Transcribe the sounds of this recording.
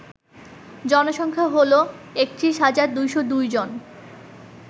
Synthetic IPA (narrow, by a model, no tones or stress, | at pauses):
d͡ʑɔnoʃɔŋkʰaɦoloekt̪ɾiʃɦad͡ʑaɾd̪ujʃod̪ujd͡ʑon